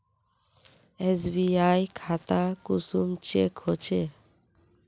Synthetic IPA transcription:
esbiajkʰat̪akusumt͡ɕekɦot͡ɕʰe

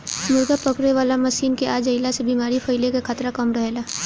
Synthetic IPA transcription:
mʊɾɡapəkɽeʋaːlamɐsiːnkeʔaːd͡ʒəɪlasebiːmaːɾipʰɐɪlekekʰaːt̪ɾakɐmɾɐɦelaː

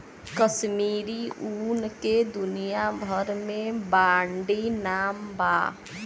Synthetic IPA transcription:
kəʃmiɾiʔunked̪unijabʱəɾmẽbaɳɖinaːmba

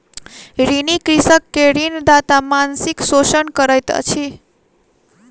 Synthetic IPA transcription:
ɾinikɾisəkːeɾind̪at̪amansiksot͡ʃənkəɾəjt̪ə̰t͡ʃʰi

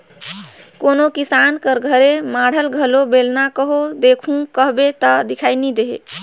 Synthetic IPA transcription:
konokisankəɾɡʱəɾemaɽ̤əlɡʱəlobelnakəɦod̪ekʰũkəɦbet̪ɔd̪ikʰajnid̪eɦḛ

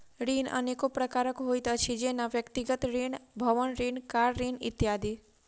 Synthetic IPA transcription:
ɾiːnə̰nekopɾəkaɾəkɦojt̪ət͡ʃʰid͡ʒenaʋjəkt̪iɡət̪ɾiɳbʱəʋənɾiːnkaɾɾiːnɪ̰t̪jad̪i

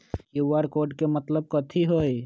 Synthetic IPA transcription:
kiuʋaɾkoːɾɖkemət̪ləb̚kət̪ʰiɦoːj

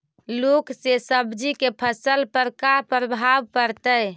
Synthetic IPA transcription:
luksesəbd͡ʒikepʰəsəlpəɾkapəɾbʱabkəɾt̪əj

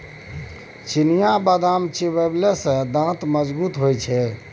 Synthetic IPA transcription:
t͡ʃinijabad̪amt͡ʃibəblesə̃d̪ãt̪məd͡ʒbut̪ɦojt͡ʃʰɛ

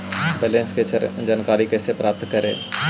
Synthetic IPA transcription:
belẽnsked͡ʒaːnkaːɾikɛːsepɾʔaːp̚t̪kəɾḛ̃ː

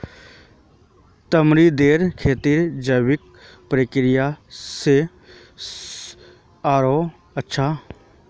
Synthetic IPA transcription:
t̪əmɾid̪eːɾkʰeːt̪iɾd͡ʒəwɪk | pɾəkɾɪjase | aːɾoː | ətːʃʰa

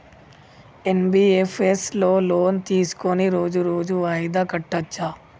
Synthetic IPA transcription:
enbiːefʰeslo̞ːloːnt̪iːsu̥koniɾo̞ːd͡ʒuɾo̞ːd͡ʒuʋaːjd̪akɐʈːɐt͡ʃːa

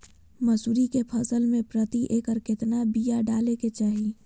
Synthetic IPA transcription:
mɐsuːɾikepʰɐsəlmẽpɾət̪iʔeːkəɾkɪt̪nabijaɖaːleket͡ʃaːɦi

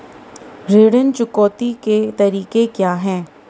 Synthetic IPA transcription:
ɾeːɽənt͡ʃʊkɔːt̪iket̪ɐɾiːkekjaːɦɛ̃ː

